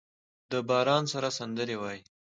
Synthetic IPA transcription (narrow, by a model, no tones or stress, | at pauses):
d̪əbɑɾɑnsaɾasand̪əɾewɑji